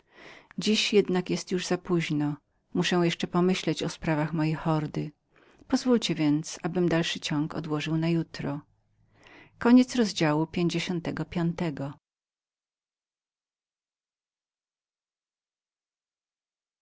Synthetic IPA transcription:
d͡ʑiɕjɛd̪nakjɛst̪juʐzapuʑnɔ | muʂɛw̃jɛʂt͡ʂɛpɔmɘɕlɛt͡ɕɔspɾavaxmɔjejxɔɾd̪ɘ | pɔzvult͡ɕɛvʲjɛnt̪sabɘmd̪alʂɘt͡ɕɔŋkɔ̰d̪wɔʐɘwnajut̪ɾɔ | kɔɲɛt̪sɾɔzd͡ʑawupʲjeɲd͡ʑeɕɔnt̪ɛɡɔpʲjɔnt̪ɛɡɔ

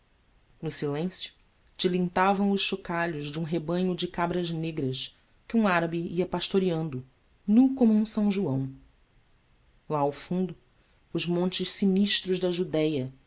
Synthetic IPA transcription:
nʊsilẽsjʊ̥ | t͡ʃɪlĩnt̪avɐ̃w̃ʊʃʃokaʎʊʒd͡ʒɪũɦebɐ̃ɲʊd͡ʒɪkabɾɐzneɡɾɐʃ | kɪũaɾɐbiiɐpaʃt̪oɾiɐ̃nd̪ʊ | nukõmʊũsɐ̃w̃ʒuɐ̃w̃ | laawfũnd̪ʊ | ʊʒmõnt͡ʃɪʃsiniʃt̪ɾʊʒd̪ɐʒud̪ɛjɐ

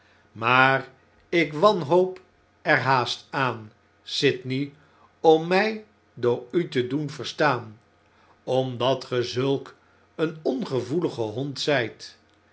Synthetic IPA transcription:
maːr | ɪkʋɑnɦowp | ɛɹɦaːstaːn | sɪtni | ɔmːɛj | dʊːɹytədunvəɹstaːn | ɔmdɑtχəzɵlˠk | ənɔnχəvuləχəɦɔntsɛjt

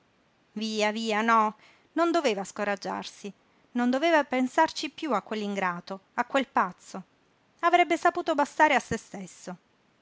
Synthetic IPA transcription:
viːaviːanɔ | nond̪oveːvaskoɾad͡ʒːa̰rsi | nond̪oveːvapensart͡ʃipjuakːwelːiŋɡɾaːt̪oakːwelpat̪sːo | avɾɛbːesapuːt̪obast̪aːɾeasːest̪esːo

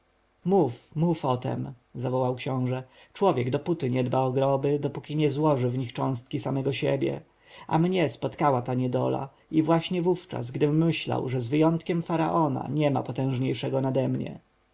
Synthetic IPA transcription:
mufmufɔt̪ɛ̰m | zavɔwawkɕɔ̃w̃ʐɛ | t͡ʂwɔvʲjɛɡd̪ɔput̪ɘɲɛd̪baɔɡɾɔbɘd̪ɔpukʲiɲɛzwɔʐɘvɲixt͡ʂɔ̃w̃st̪̚kʲisamɛɡɔɕɛbʲjɛ̰ | a̰mɲɛspɔt̪kawat̪aɲɛd̪ɔ̰la̰ | ivwaɕɲɛvuft͡ʂa̰zɡd̪ɘːɘɕla̰wʐɛzvɘjɔnt̪kʲɛmfaɾa̰ʔɔna̰ɲɛma̰pɔt̪ɛ̃w̃ʐɲejʂɛɡɔnad̪ɛmɲɛ̰

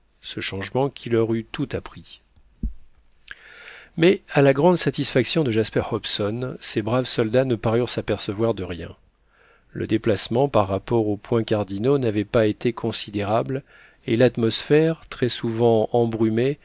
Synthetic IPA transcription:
səʃɑ̃ʒmɑ̃kʲʰilœʁyt̪ut̪apχi | mɛalaɡʁɑ̃d̪sat̪isfaksjɔ̃d̪əʒaspɛʁhɔpsɔnsebʁavsɔld̪anəpaʁyʁsapɛʁsəvwaʁd̪əʁjɛ̰̃ | lə̰d̪eplasmɑ̃paʁːapɔʁopwɛ̃kaʁd̪inonavɛpaet̪ekʰɔ̃sid̪eʁabl | elat̪mɔsfɛʁt̪χɛsuvɑ̃ɑ̃bʁyme

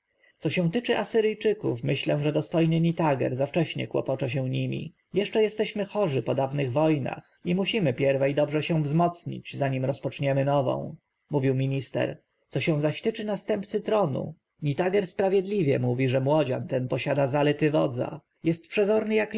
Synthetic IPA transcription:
t̪sɔɕɛ̃w̃t̪ɘt͡ʂɘʔasɘɾɘjt͡ʂɘkufmɘɕlɛ̃ʐɛd̪ɔst̪ɔjnɘɲit̪aɡɛ̰ɾzaft͡ʂɛɕɲɛ̰kwɔ̰pɔt͡ʂɛɕ̬ɛ̃ɲimʲḭ | jɛʂt͡ʂɛjɛst̪ɛɕmɘxɔʐɘpɔd̪avnɘɣvɔjna̰x | imuɕimɘpʲjɛɾvɛjd̪ɔbʐɛɕɛ̃vzmɔt̪sɲḭd͡ʑzaɲimɾɔspɔt͡ʂɲɛmɘnɔvɔ̰̃w̃ | muvʲiwmʲiɲist̪ɛ̰ɾ | t̪sɔɕɛ̃w̃zaɕt̪ɘt͡ʂɘnast̪ɛmpt̪sɘt̪ɾɔnṵ | ɲit̪aɡɛɾspɾavʲjɛd̪lʲivʲjɛmuvʲiʐɛmwɔd͡ʑa̰nt̪ɛnpɔɕad̪azalɛt̪ɘvɔ̰d̪za̰ | jɛst̪̚pʂɛzɔɾnɘjak

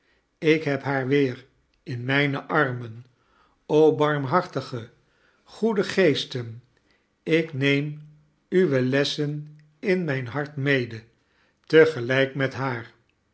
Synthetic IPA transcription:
ɪkɦɛpɦaːɹʋɪːr | ɪnmɛjnəʔɑɹmən | owbɑɹmɦɑɹtəχə | χudəχejstən | ɪknejm | yʋəlɛsən | ɪnmɛjnɦɑɹtmejdə | təχəlɛjkmɛtɦaːɹ

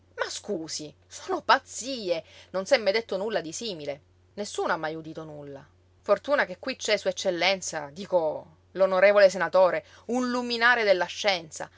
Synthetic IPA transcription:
maskuːsisoːnopat̪siːenonsɛmːed̪et̪ːonulːad̪isiːmile | nesːuːnoamːajud̪iːt̪onulːa̰ | fort̪uːnak̟ekːwit͡ʃːɛsuet͡ʃːelːɛnt̪sad̪iːko | lonoɾeːvoles̬enat̪oːɾe | unluminaːɾed̪elːaʃːɛnt̪sa̰

